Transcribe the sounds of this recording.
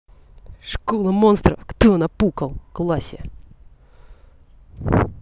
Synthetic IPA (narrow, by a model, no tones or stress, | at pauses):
ʂkolˠəmɔnst̪ɾəfkt̪onɐpukɐlˠklˠasʲe